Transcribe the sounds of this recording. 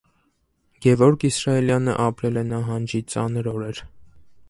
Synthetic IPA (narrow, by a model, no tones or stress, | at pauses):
ɡ̥ɛvɔɾkʰisɾɑɛljɑnə̰ʔɑpɾɛlɛnɑɦɑnd͡ʒit͡sɑnəɾɔɾɛɾ